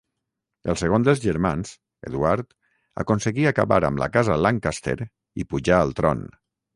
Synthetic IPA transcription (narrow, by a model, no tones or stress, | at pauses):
əlˠseɣ̞ond̪əlˠzʒəɾmanz | ḛðuaɾt̪ | a̰konsəɣiaka̰βa̰ɾə̰mlʔa̰kazəlaŋkast̪ḛɾ | ipuʒaːlˠt̪ɾɔ̰n